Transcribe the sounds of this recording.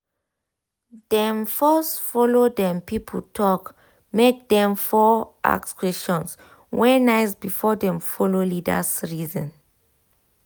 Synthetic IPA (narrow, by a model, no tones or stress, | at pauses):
dɛ̃mfɔsfɔlodɛ̃mpipʰətʰɔk | mek̚dɛ̃mfɔʔa̰kskʰwɛsʃɔ̃ns | wɛnajsbifɔdɛ̃mfɔlolidə̰sɹizɔ̃n